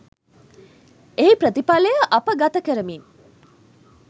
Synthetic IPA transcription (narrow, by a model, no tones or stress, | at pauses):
eipɾət̪ipalejəʔapəɡat̪əkəɾəmin